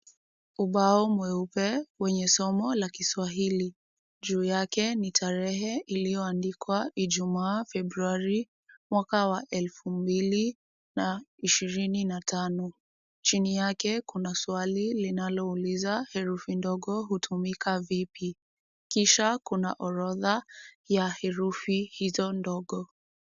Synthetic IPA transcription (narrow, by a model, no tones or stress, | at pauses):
uɓaɔmwɛupɛwɛɲɛsɔmɔlakiswaɦili | ʄuːjakɛnitʰaɾɛɦɛʔilijɔandikwaʔiʄumaːfɛbɾuaɾi | mwakawaʔɛlfumbili | naiʃiɾininatanɔ | t͡ʃinijakɛkunaswalilinalɔulizahɛɾufindɔɠɔɦutʰumikavipi | kiʃakuna̰ʔɔɾɔðajahɛɾufihizɔndɔɠɔ